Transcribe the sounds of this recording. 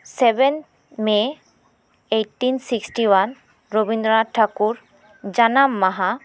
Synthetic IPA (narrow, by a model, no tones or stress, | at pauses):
seben | me | ejʈːinsiksʈiwan | ɹobindɾɔaʈʰːakuɹ | d͡ʒanamːaɦa